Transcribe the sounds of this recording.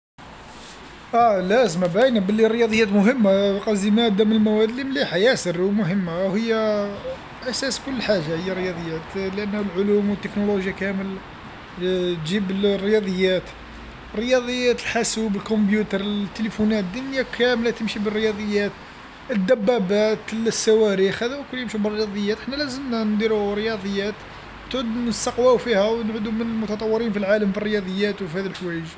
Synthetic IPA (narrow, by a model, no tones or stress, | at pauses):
ʔælæzmabæjnabəlːiɾəjɑd̪ˤəjːæt̪mʊɦəmːaqɑzimæd̪æməlmæwæd̪limliħajæsərumʊɦəmːahəjːæ | ʔæsæskʊlːħaʒːahəjːaɾəjɑd̪ˤəjːæt̪ləʔənːlʕʊlumwət̪ːəknoloʒjakæməl | ʒibəlrːəjɑd̪ˤəjːæt̪ | ərːəjɑd̪ˤəjːæt̪əlħasubəlkombjut̪əɾˤət̪ːəlifunæt̪d̪ːʊnjakʰæmlat̪əmʃibərːjɑd̪ˤəjːæt̪ | əd̪ːæbːæbæt̪lsːæwæɾixhæd̪æwkʊljəmʃubərːəjɑd̪ˤəjːæt̪ʔəħnælæzəmnænd̪iɾuɾjɑd̪ˤəjːæt̪ | t̪ʕud̪nəst̪ɑqwæwfihæwnʕud̪umənəlmʊt̪ɑt̪ˤɑwːəɾinfilʕaləmfərːəjɑd̪ˤəjːæt̪wfihæd̪əlħwæjəʒ